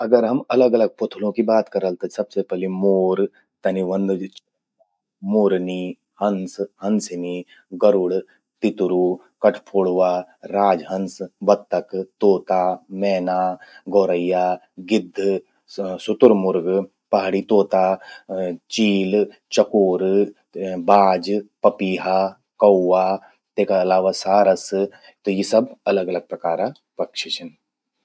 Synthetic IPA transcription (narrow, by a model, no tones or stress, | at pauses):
ɐɡəɾɦɐmɐləɡɐləɡ̚pʊt̪ʰlõkibaːt̪kɐɾəlt̪esɐbsepɛɦlimoːɾ | t̪ɐniʋə̃nd̪t͡ʃː | a | moːɾni | hɐ̃nsɦɐ̃nsɪni | ɡɐɾʊɽ | t̪ɪt̪ɾu | kɐʈʰpʰoːɽʋaːɾaːd͡ʒɦə̃nsbɐt̪ːəkt̪oːt̪amɛːnaɡoːɾəjːa | ɡɪd̪ʱː | sʊt̪ʊɾmʊɾɡ | pɐɦɽit̪oːt̪a | t͡ʃiːl | t͡ʃɐkoːɾ | baːd͡ʒpɐpiːɦa | kɐwːa | t̪ekaɐlaːʋasaːɾəs | t̪ojisɐbɐləɡɐləɡ̚pɾɐkaːɾa | pɐkʃit͡ʃʰən